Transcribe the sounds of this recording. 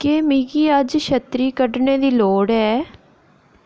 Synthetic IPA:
keːmiːɡiːəd͡ʒʃət̪ɾiːkəɖneːd̪iːloːɽɦɛː

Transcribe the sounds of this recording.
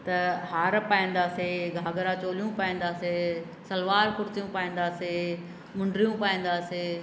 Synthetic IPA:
t̪ɐɦaːɾpaːĩːn̆d̪aːseɡʱaːɡəɾãt͡ɕoːlijũpaːĩːnd̪aːse | sɐlʋaːɾkʊɾt̪ijũpaːĩːn̆d̪aːse | mʊ̃ɳɖɾijũpaːĩːn̆d̪aːseː

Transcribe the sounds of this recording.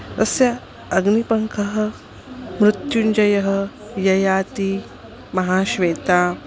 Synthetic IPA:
t̪ɐsjɐː | ɡnipɐŋkʰɐɦɐ̆ | mɾut̪jund͡ʒɐjɐɦɐjɐjaːt̪i | mɐɦaːɕʋeːt̪aː

